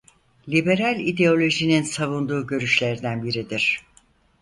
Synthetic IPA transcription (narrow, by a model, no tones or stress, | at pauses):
lʲibe̞ɾalʲid̪e̞o̞lʲo̞ʒininsavund̪uːɟø̞ɾyʃlʲeɾd̪ænbiɾid̪iɾ̥